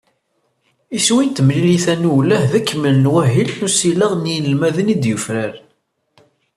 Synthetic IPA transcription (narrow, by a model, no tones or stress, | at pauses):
iswint̪əmliliθænuwlæhðəkːməlnwæɦilnusiləʁnjləlmæðənid̪jəfɾæɾ